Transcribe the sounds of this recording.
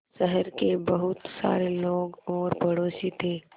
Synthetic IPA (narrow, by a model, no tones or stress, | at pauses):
ʃəɦəɾkebəɦʊt̪sa̰ːɾeloːɡɔːɾpəɽoːsit̪ʰeː